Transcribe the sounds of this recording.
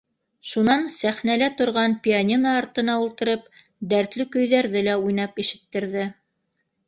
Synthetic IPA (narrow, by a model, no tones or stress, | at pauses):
ʃunɑnsæχnælæt̪ŏɾʁɑnpʲianʲinɑːɾt̪ɤ̆nɑulˠt̪ɤ̆ɾɤp̚ | d̪æɾt̪lɘkɵ̆jðæɾðɘlæujn̪ɑpiʃɘ̆t̪ːɘ̆ɾðɘ